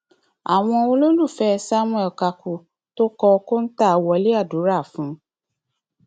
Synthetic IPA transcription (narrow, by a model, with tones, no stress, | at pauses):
a˨w̃ɔ̃˧o˧lo˦lũ˦˨fɛ˦˧sa˦mũ˦˧˦ɛ˨ka˧˨ku˨ | to˦kɔ˧ko˦n̩˦ta˦˨wɔ˧˦li˦a˦˨du˨˦ɾa˦˨fũ˨˦